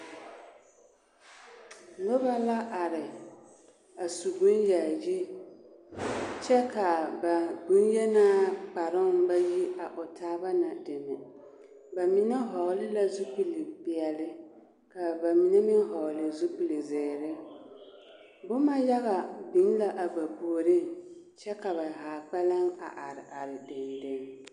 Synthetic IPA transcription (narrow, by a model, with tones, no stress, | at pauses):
lo˦ba˦la˦ʔa˨ɾɪ˨ | a˨su˨ɡu˦nja˨ji˦ | t͡ʃɛ˦ka˨ba˨ɡu˦njɛ˦naː˦k͡pa˨ɾɪ˦ŋba˦ji˦a˨ʔʊ˨tʰaː˦ba˦na˨dɪ˨mɛ˨ | ba˨mi˨˦nɛ˦ɦɔ˨ɣlɪ˦la˦zu˦pu˨li˨bɪ˨ɛ˨lɪ˦ | ka˨ba˨mi˨ne˦mɪ˦n˦ɦɔ˨ɣlɪ˨zu˦pu˨li˨zɛː˨ɾɪ˦ | bʊ˦ma˦ja˦ɣa˨bi˨˦ŋ˦la˦ʔa˨ba˨bu˨ɾɪ˦ŋ | t͡ʃɛ˦ka˨ba˨ɦaː˨k͡pa˦la˦ŋa̰˨ʔa˨ɾɪ˨ʔa˨ɾɪ˨dɪ˨ndɪ˦ŋ